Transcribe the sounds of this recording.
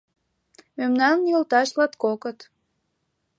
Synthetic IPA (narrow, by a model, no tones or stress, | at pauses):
memnɑnjəlt̪ɑʃlɑt̪kokət̪